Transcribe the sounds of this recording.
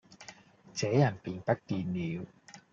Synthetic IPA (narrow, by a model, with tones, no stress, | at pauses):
t͡sɛː˨˥jɐ˨˩npiː˨npɐ˥k̚t̪iː˧nːiː˨˧˥w